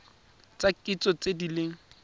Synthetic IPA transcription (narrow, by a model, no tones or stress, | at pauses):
t͡sakʼɪt͡sʼɔt͡sʼedileŋ̩